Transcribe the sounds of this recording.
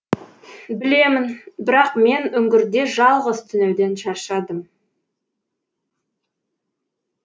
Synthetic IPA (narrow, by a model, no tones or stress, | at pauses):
bɪle̞mɪnbɪɾɑqme̞nɵŋɡʲɪɾd̪e̞ʒɑlˠʁəzt̪ʰʏnewd̪enʃɑɾʃɑd̪əm